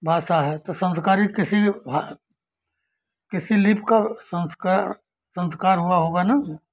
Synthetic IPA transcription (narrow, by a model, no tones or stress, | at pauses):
bʱaːʃaɦɛːt̪osə̃nskaːɾikɪsibʱa | kɪsilɪpkasə̃nska | sə̃nskaːɾɦuaɦoːɡanaː